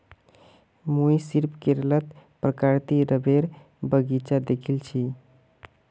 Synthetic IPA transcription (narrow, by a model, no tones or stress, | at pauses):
mujsiɾpʰkeɾlət̪pɾəkaɾt̪iɾəbeɾ | bəɡit͡ʃad̪ekʰilt͡ʃʰi